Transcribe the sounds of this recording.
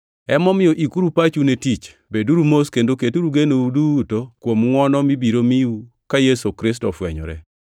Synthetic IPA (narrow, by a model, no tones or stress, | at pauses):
ɛmɔmɪjɔʔikuɾupat͡ʃunetit͡ʃ | beduɾumoskendoketuɾuɡenoudutokwomŋwɔnɔmibiɾomiu | kajesokɾɪs̬tɔfwɛ̰ɲɔ̰ɾɛ̰